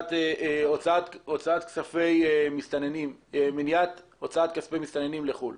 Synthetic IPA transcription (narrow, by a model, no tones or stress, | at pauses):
t̪ot͡sat̪ot͡saat̪ksafe̞jmist̪anenimeminjat̪ | o̞t͡saat̪kaspejmist̪anenimleχul